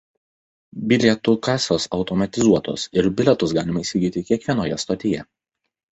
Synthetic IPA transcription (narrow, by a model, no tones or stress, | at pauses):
bʲɪlʲɛt̪ukɑːsʲoːsɒʊt̪ɔmɐt̪ʲɪzuɔt̪o̰sɪɾbʲɪlʲɛt̪ʊsɡɑːlʲɪmɐɪsʲiɡʲiːt̪ʲɪkʲiɛkʋʲiɛnoːjɛst̪ɐt̪ʲɪjɛ